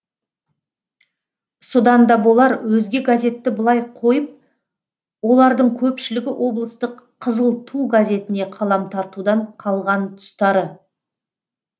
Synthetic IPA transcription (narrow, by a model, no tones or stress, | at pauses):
sod̪ɑnd̪ɑbo̞lˠɑɾwɵzɡʲe̞ɡazʲe̞t̪ːɪbəlˠɑjqʰo̞jəp̚ | wo̞lˠɑɾd̪əɴkʲʰɵpʃɪlɪɡʲɪwʔo̞blˠəst̪əqʰːəzəlˠt̪ʰuɡazʲe̞t̪ɪne̞qʰɑlˠɑmt̪ʰɑɾt̪ud̪ɑɴqʰɑlˠʁɑnt̪ʰʊ̥st̪ɑɾə